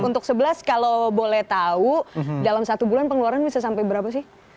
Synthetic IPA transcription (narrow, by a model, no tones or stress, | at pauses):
unt̪ʊksəbəlaskalobolɛht̪audalamsat̪ubulanpəŋluaɾanbisasampajbəɾapas̬ɪh